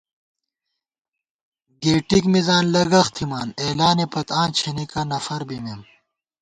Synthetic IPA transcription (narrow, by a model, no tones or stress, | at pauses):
ɡeːʈikmizaːnlɐɡɐxt̪ʰimaːneːlaːnipɐt̪ãːnt͡ɕʰenikɐnɐfɐɾbimem